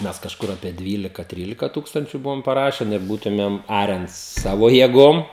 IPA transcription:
ˈmʲɛs kɐʃˈkʊr ɐpʲiɛ ˈdʲʋʲiːlʲɪkɐ ˈtʲrʲiːlʲɪkɐ ˈtuːkstɐnʲt͡ʃʲʊ ˈbʊʋoːm pɐˈrɑːʃʲɛn ɪr ˈbuːtʊmʲeːm ˈɑːrʲɛn ˈsɑːʋoː jeːˈɡoːm

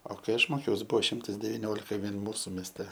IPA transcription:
oː kɐɪ ˈɐʃ ˈmoːkʲɛʊs ˈbuɔ ˈʃʲɪmtɐs dʲɛʋʲɪˈnʲoːlʲɪkɐ ˈʋʲiɛn ˈmuːsʊ mʲeːsʲˈtʲɛ

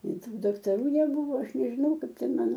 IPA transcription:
ɪ ˈtuː dɐktɐˈruː nʲɛˈbuːʋoː ˈɐʃ nʲɛʒʲɪˈnɐʊ ˈkɐɪp ˈtʲɛn ˈmɑːnoː

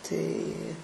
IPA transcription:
tɐɪ

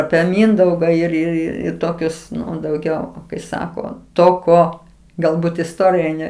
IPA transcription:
ɐpʲiɛ ˈmʲɪndɐʊɡɐ ɪr ɪr ˈɪr ɪr ˈtoːkʲʊs dɐʊˈɡʲɛʊ kɐɪ ˈsɑːkoː ˈtoː ˈkoː ɡɐlˠˈbuːt ɪsˈtoːrʲɪjɛ ˈnʲɛ

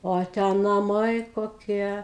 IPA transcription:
ˈoː ˈtʲæː nɐˈmɐɪ koːˈkʲiɛ

